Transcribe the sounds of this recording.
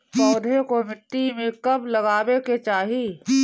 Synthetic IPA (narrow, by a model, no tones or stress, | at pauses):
pɔːd̪ʱekomɪʈ̪ːimẽkɐblɐɡaːweket͡ʃaːɦi